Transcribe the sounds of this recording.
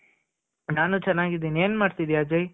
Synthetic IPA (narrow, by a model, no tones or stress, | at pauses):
naːnut͡ʃɐnːaːɡid̪ineːnmaːɽt̪id̪ijaːd͡ʒej